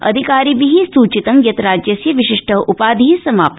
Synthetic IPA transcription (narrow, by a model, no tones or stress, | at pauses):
ɐ̰d̪ʱikaːɾiːʋiɦisuːt͡ʃit̪ɐŋɡjɐt̪ɾaːd͡ʒjɐsjɐʋiʃiʂʈʰəʔupaːd̪ʱiisɐmaːp